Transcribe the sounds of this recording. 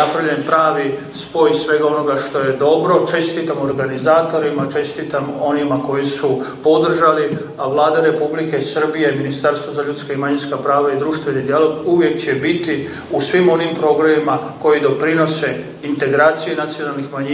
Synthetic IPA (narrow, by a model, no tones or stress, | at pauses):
apɾaʋʎenpɾaːʋi | spo̞jsʋe̞ɡao̞no̞ɡaʃt̪o̞je̞d̪o̞bɾo̞t͡ʃe̞st̪it̪amoɾɡanizaːt̪o̞ɾimat͡ʃe̞st̪it̪amo̞nimako̞jisupo̞d̪r̩ʒali | aʋlaːd̪aɾe̞publike̞sr̩bije̞minist̪aɾst̪ʋozaʎut̪skaimaɲinskapɾaːʋaid̪ɾuːʃt̪ʋe̞nid̪ijalo̞ɡuʋje̞kt͡ɕe̞bit̪i | usʋimo̞nimpɾo̞ɡɾamimako̞jid̪o̞pɾino̞se̞ | int̪e̞ɡɾaːt̪sijenat̪sijo̞nalˠnixmaɲi